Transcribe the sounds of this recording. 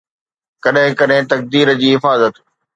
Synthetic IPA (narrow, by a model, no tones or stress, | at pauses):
kɐɗɦɪ̃kɐɗɦɪ̃t̪ɐk̚d̪iːɾəd͡ʑiːɦɪfaːzət̪